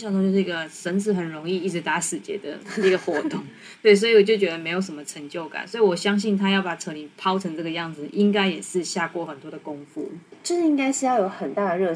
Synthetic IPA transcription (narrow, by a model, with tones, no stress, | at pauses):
ɕjt̪o˥˧t͡ɕo˧ʂ̩˥˩i˧˥ɡə˨˩ʂə˧˥nt͡s̩ʰ˧˥xə˨˩nɻʊ˧˥ŋi˥˧i˥˩ʈ͡ʂɻ̩˧˥t̪a˧˥sɹ̩˨˩t͡ɕjɛ̰˧˥d̪ə̰˧n˥˧˥ɡə˩xwɔ˧˥˦t̪ʊ˥˨˩ŋ | t̪we˥˩iɪs̬ɔ˧˥i˨wɔ˨˩t͡ɕjo˥˩ʊt͡ɕɥɛ˧˥d̪ə˧me˧˥ɪjo˧˥ʊʂə˧˩mə˧ʈ͡ʂʰə˧˥ŋt͡ɕjo˥˩ʊka̰˨˩˦nswɔ˧˥i˨wɔ˨˩ɕjɑ˥ŋɕ̬i˥˩nt̪ʰa˥jɑ˥˩ʊpa˨˩ʈ͡ʂʰɤ˧˥ni˨˩pʰɑ˥ʊʈ͡ʂʰə˧˥ŋʈ͡ʂɤ˥˩ɡə˩jɑ˥˩ŋd͡z̩˩ʔi˦˥ŋka˥ɪjɛ˨˩ʂɻ̩˥˧ɕja˥˩kwɔ˥˩xə˨˩nt̪wɔ˥d̪ə˨˩kʊ˦˥ŋfṵ˥˩t͡ɕjo˥˧ʂ̩˥˩i˥ŋka˥ɪʂɻ̩˥jɑ˥˩ʊjo˧˥ʊxə˨˩nt̪a˥˩d̪ə˩ɻɤ˥˧